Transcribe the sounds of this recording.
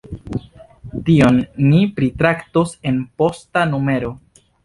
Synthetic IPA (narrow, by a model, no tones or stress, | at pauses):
tio̞nːipɾitɾaktose̞npo̞stanume̞ɾo̞